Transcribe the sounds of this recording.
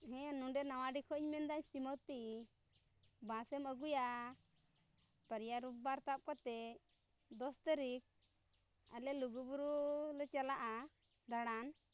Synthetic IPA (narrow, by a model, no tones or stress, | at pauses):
ɦɛ̃nũɖɛnawaɖikʰɔɲmɛnd̪aɲt̪imɔt̪i | bãsɛməɡuja | pəɾjaɾup̚baɾt̪ap̚kɔt̪ɛ | d̪ɔst̪əɾik̚ | alɛluɡubuɾulət͡ʃalaʔa | d̪aɽ̃an